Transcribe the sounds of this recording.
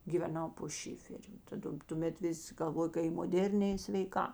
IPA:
ɡʲɪʋʲɛˈnɐʊ poː ˈʃʲɪfʲɛrʲʊ tɐˈdɐ tʊˈmʲɛt ˈʋʲɪsʲ ɡɐlˠˈʋoːjoː kɐ ɪ moːˈdʲeːrʲnʲeː ɪ sʲʋʲɛɪˈkɑː

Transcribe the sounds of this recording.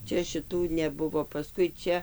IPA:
ˈt͡ʃʲɛ ʃʲɪˈtuː nʲɛˈbʊʋoː pɐˈskʊɪ ˈt͡ʃʲɛ

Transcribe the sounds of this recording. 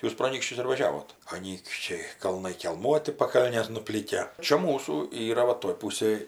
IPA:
ˈjuːs proː ɐˈnʲiːkʃʲt͡ʃʲʊs ɪr ʋɐˈʒʲæːʋoːt ɐˈnʲiːkʃʲt͡ʃʲɛɪ kɐlˠˈnɐɪ kʲɛlˠˈmuɔtʲɪ pɐˈkɐlʲnʲeːs nʊˈpʲlʲiːkʲæː t͡ʃʲɛ ˈmuːsuː ˈiːrɐ ˈʋɐ toːj ˈpuːsʲeːj

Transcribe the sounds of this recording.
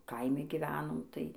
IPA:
ˈkɐɪmʲɪ ɡʲɪˈʋʲæːnoːm tɐɪ

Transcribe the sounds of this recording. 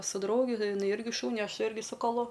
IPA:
sʊ ˈdrɐʊɡʲɪ ɪˈnɐɪ ˈɪrʲɡʲɪ ˈʃuːnʲɪ ˈɐʃ ˈɪrʲɡʲɪ sʊ kɐˈlˠʊ

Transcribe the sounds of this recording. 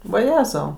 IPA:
ʋɐˈjæːzɐʊ

